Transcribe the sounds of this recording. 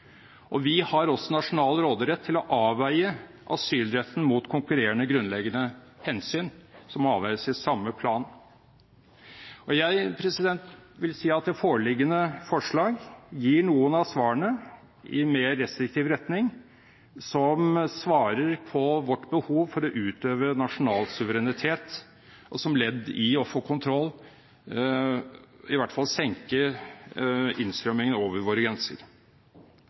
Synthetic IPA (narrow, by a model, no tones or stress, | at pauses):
ʔɔʋɪhɑɾɔsːɔnɑʂʊnɑːlɾoːd̪əɾɛt̪ʰːɪlɔʔɑːʋæɪə | ʔɑ̰syːlɾɛt̪ːn̩muːt̪kʰʊŋkʉɾeːəɳəɡɾʉnlɛɡənə | hɛnsyːnsɔmɑ̰ːʋæɪəsɪsɑmːəpʰlɑːn | ɔjæɪpʰɾɛsɪd̪ɛnt̪ʋɪlsiːɑt̪̚d̪ɛfoːɾəɭɪɡːənəfɔʂɭɑːɡjiːɳuːənɑsʋɑːəɳə | ɪmeːɾːɛst̪ɾɪk̚t̪ʰiːʋɾɛt̪nɪŋ | sɔmsʋɑːɾəɾpʰɔʋɔʈːbəhuːʋfɔɾɔʔʉːt̪øːʋənɑʂʊnɑːlsʉʋəɾɛnɪt̪ʰeːt̪ | ʔɔsɔmlɛd̪ːɪɔfoːkʰʊnt̪ʰɾɔlː | ɪʋæʈːfɑlːsɛŋkə | ɪnst̪ɾœmɪŋənoːʋəɾʋoːɾəɡɾɛnsə̰ɾ